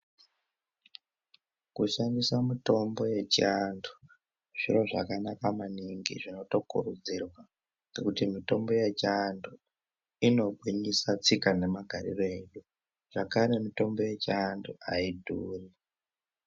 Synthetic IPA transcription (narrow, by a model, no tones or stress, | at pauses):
kuʃandisamito̞mbo̞je̞t͡ʃiandu̥ | ʐ̥ḭɾo̞ʐa̰kanakamaniŋɡḭʐino̞to̞kṵrud͡zirwa | nekutimito̞mbo̞jet͡ʃiandu | ino̞ɡʱwiɲisat͡sikane̞maɡʱaɾḭroeɗu | ʐ̥akaɾe̞mito̞mbo̞je̞t͡ʃianduʔaidʱuːri